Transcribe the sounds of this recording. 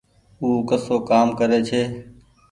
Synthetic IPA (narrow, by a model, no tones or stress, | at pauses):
uːkəsoːkaːmkəɾeːt͡ʃʰeː